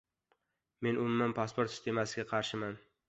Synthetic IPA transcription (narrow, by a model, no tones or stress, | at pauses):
me̞nʊmmanpʰaspoɾt̪sʲɪ̥st̪ʰe̞masɪɡʲaqʰɑɾʃɪman